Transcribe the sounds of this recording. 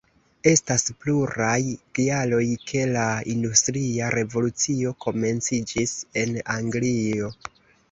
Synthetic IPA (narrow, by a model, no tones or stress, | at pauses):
e̞staspluɾajɡ̥ialo̞jkʰe̞laindustɾiaɾe̞vo̞lut͡sio̞kʰo̞me̞nt͡sid͡ʒise̞naŋɡlio̞